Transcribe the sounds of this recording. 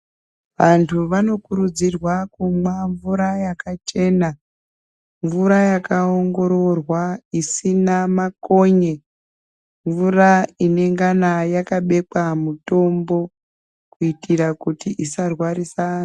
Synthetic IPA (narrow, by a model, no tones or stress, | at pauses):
ʋantʰuʋano̞kuɾud͡zirwakumwaɱvuɾajakat͡ʃe̞na | ɱvuɾajakaoŋɡo̞ɾo̞rwaisinamako̞ɲe | ɱvuraine̞ŋɡanajakaɓe̞k͡pamuto̞mbo̞ | kuitiɾakutiʔisarwaɾisa